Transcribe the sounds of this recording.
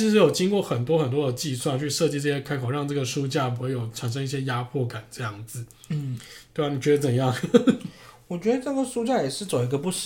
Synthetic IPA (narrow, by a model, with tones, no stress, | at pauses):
ʂɻ̩˧˥jo˨˩ʊt͡ɕi˥ŋkwɔ˥˩xə˨˩nt̪̬wɔ˥xə˨˩nt̪wɔ˥d̪ə˨t͡ɕi˥˧swa˥˧nt͡ɕʰy˥˧ʂɤ˥˧t͡ɕi˥˧ʈ͡ʂɤ˥˩ɕjɛ˥kʰa˥ɪkʰo˨˩ʊɻɑ˥˧ŋʈ͡ʂɤ˥˩ɡə˩ʂu˥t͡ɕja˥˩pxjo˨˩ʊʈ͡ʂʰa˨˩nʂ̬ɤ˥ŋi˥˩ɕjɛ˥ja˥pʰwɔ˥˩ka˨˩˦nʈ͡ʂɤ˥˧jɑ˥˩ŋd͡zɹ̩˨˩˥ | t̪wa˨˩ni˨˩t͡ɕɥɛ˧˥ə˧t͡sə˨˩njɑ˥˧ŋ | wɔ˨˩t͡ɕɥɛ˧˥d̪ə˧ʈ͡ʂɤ˥˩ɡə˨˩ʂu˥t͡ɕja˥˩jɛ˨˩ʂɻ̩˥˩t͡so˨˩ʊi˧˥ɡə˧pu˥˩ʂ